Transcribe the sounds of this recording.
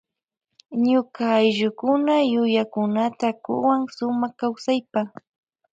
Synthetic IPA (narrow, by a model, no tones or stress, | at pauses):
ɲʊkaːjʒʊkʊnajʊjakʊnat̪akʊ̰waŋsʊmaχkawsajpa